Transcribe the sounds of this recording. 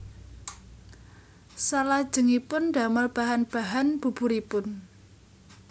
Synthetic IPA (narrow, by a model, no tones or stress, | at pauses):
salad̥ʒ̥ə̤ŋipʊnɖa̤məlb̥a̤ɦanb̥a̤ɦanb̥ṳb̥ṳɾipʊn